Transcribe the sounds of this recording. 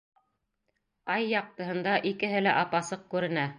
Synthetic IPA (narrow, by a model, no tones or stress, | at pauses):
ɑjːɑq̚t̪ɤ̆ɦɤ̆nd̪ɑʔikɘ̆ɦɘlæʔɑpɑsɤq̚kʉɾɘ̆næ